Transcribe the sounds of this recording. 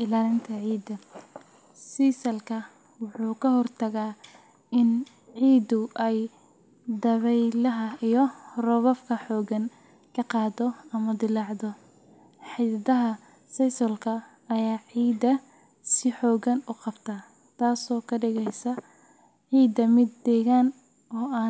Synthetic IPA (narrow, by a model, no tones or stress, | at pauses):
ʔɪlaːlɪnt̪ʰɐʕiːd̪ɐ | sisɐlkʰɐ | wʊħuːkʰɐɦɔrt̪ʰɐɣaː | ɪn | ʕiːd̪ʊʔɛj | d̪ɐβɛjlɐɦɐijɔrɔβɔfkʰɐħɔːɣɐn | kʰɐqɑːd̪ɔɐmɐd̪ɪlɑʕd̪ɔ | ħiːdɐɦɐ | sɐjsɔlkʰɐ | ɐjaːʕiːd̪ɐ | sɪħɔːɣɐnʊqɑbt̪ʰaː | t̪ʰaːsɔːkʰɐɖɪɣɛjsɐ | ʕiːd̪ɐmɪd̪ːɛːɣaːn | ɔːaː